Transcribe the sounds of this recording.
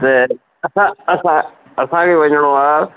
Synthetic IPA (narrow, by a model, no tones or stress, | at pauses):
t̪e | ɐsãɐsã | ɐsãkeʋɐ̃ɲəɽ̃õaː